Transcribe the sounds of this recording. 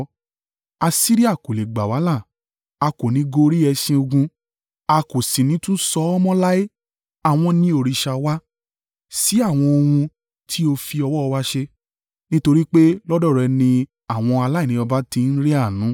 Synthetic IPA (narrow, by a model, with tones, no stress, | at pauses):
a˧si˦ɾi˦a˦˨ko˨le˨ɡ͡ba˨wa˨˦la˦˨ | a˧ko˨nĩ˨˦ɡo˧ɾi˦ɛ˧ʃĩ˧o˧ɡũ˧ | a˧ko˨sĩ˨nĩ˨˦tũ˦sɔ˧˦ɔ˦mɔ̃˦la˦e˦ | a˨w̃ɔ̃˧nĩ˦o˦˨ɾi˧ʃa˧wa˦ | si˦a˦˨w̃ɔ̃˧o˧wũ˧ | tʰi˦o˧fi˧ɔ˧wɔ˦ɔ˧wa˦ʃe˧ | nĩ˦to˧ɾi˦k͡pe˦lɔ˦dɔ˦˨ɾɛ˧nĩ˧ | a˦˨w̃ɔ̃˧a˧la˦i˦˨nĩ˨˧ɔ˧ba˦tĩ˧˦n̩˦ɾi˦a˦˨nũ˨˦